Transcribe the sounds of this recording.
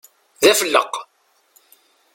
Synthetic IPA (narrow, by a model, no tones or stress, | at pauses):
ðæfəlːə̰q